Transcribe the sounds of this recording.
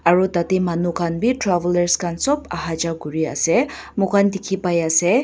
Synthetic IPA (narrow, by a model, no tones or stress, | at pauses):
aɹut̪at̪imanukʰanbʱitɾaʋləɾskʰansɔbaɦad͡ʒaɡuɹia̰sɛ | mukʰand̪ikʰipajasɛ